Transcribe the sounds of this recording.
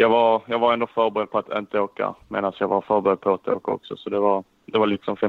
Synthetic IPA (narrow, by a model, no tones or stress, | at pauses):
jɑːɡvɑɾjɑːɡvaɾɛnd̪ofœɾbɛɾɛd̪̚pʰɔat̪ʰɪnt̪əoːka̰mḛːd̪ansjɑːɡvaɾfœɾbɛɾɛd̪̚pʰɔat̪ʰo̰ːkaɔ̰ksɔsɔd̪ɛvɑɾ | d̪ɛvɑlɪksɔmfɛ